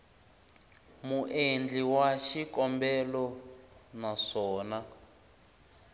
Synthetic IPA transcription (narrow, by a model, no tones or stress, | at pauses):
muʔend͡ɮiwaʃikɔmbɛlɔ | naʂɔːna